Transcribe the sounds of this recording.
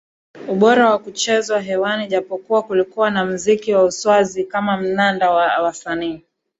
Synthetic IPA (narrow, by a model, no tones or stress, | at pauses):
uɓɔɾawakut͡ʃɛzwaɦɛwaniʄapɔkuwakulikuwanam̩zikiwauswazikamam̩nandawawasaniː